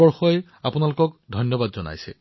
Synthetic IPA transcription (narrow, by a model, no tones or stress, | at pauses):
ɔɹxɔj | apunalʊkɔk̚dʱɔjnjɔbadzɔna̰jsɛ̰